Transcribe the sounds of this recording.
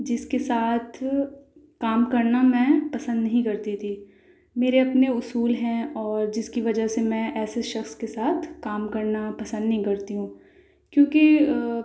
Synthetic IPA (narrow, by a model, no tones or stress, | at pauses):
d͡ʒɪskesaːt̪ʰ | kaːmkɐɾnamɛ̃ːpɐsə̃nd̪nɐɦĩkɐɾt̪it̪ʰi | meːɾeɐpneʊsuːlɦɛ̃ɔːɾd͡ʒɪskiʋɐd͡ʒəɦsemɛ̃ʔɛːseʃɐxskesaːt̪ʰkaːmkɐɾnapɐsə̃nd̪nɐɦĩkɐɾt̪iɦũː | kjõːke